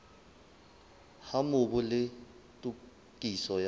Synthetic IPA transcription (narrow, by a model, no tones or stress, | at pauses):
hamʊbulɪ | tʼu | kʼisɔja